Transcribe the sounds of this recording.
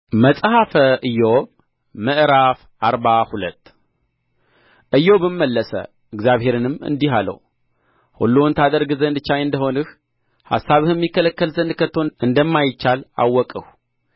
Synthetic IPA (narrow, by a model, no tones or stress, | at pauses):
məsʼhafəʔɨjːo | mɨʔɾaf | ʔaɾbahulət̪ː | ʔɨjːobɨmːəlːəsə̰ | ɨɡzjaβhe̞ɾɨnɨmɨ̰nd̪iɦalə̰w | hṵlːont̪ʰad̪əɾɡɨzənd̪t͡ʃajɨnd̪əho̞nɨh | ha̰sːaβɨhɨmːikʰːələkːəlzənd̪kʰət̪ʰːo̞ʔɨnd̪əmːajɪt͡ʃːala̰wːɔkʼəh